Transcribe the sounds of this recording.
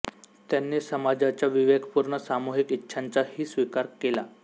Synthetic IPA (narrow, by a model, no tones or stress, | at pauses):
t̪janːesəmad͡zat͡ɕjaʋiʋekʰpuɾɳəsamuɦikitːɕʰant͡sahiːsʋikaɾkela̰